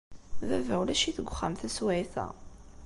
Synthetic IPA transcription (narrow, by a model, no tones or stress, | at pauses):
ðævæwlæʃiθəɡʷːχːæmθæswæjθæ̰